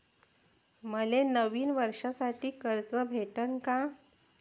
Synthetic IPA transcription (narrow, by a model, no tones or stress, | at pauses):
məlenəʋiːnʋəɾʂasaʈiːkəɾt͡səbʱeʈəɳka